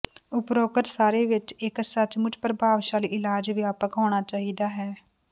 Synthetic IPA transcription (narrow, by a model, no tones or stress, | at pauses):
ʊpɾoːkət̪saːɾeːʋɪt͡ʃɪksət͡ʃmʊt͡ʃpəɾbʱaːʋʃaːliːʔɪlaːd͡ʒʋɪjaːpəkɦoːɽ̃aːt͡ʃaːɦiːd̪aːɦɛː